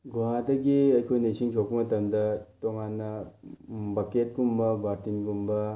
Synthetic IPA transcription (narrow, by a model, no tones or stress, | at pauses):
ɡuɦãd̪ɐɡiɐjkʰojnesʰiŋt͡ʃʰokmɐtɐmd̪ɐtoŋanːɐ | bɐket̚ɡumbɐbaɾt̪inɡumbɐ